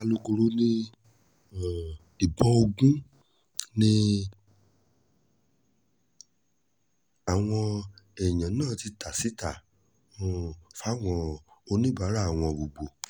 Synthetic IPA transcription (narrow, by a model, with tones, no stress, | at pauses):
a˧lu˧ɡo˧ɾo˦nĩ˦˨ | i˨bɔ̃˧o˧ɡũ˦ | nĩ˦ | a˨w̃ɔ̃˧ɛ˨j̃ã˨nãː˦˨ti˧ta˨si˨˦ta˦˨ | mɔ̃˦˧fa˦˨w̃ɔ̃˧o˧nĩ˦ba˨˦ɾa˦˨a˨w̃ɔ̃˧bo˨ɡ͡bo˨